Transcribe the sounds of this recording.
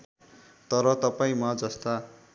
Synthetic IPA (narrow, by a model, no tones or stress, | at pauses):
t̪ʌɾʌt̪ʌpaĩmad͡zʌst̪a